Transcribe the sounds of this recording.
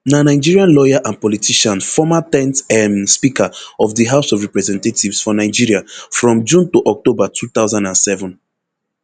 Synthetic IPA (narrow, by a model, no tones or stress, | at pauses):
nanaɪd͡ʒiɹiãnlɔjaʔãnpɔlitʰiʃãnfɔmatɛ̃ntɛmspikʰaɔvðiɦaʊsɔvɹɛpɹɛzɛ̃ntativsfɔnaɪd͡ʒiɹiafɹɔ̃md͡ʒũntoʔɔk̚tobatʰuθaʊzãndãnsɛvɔ̃n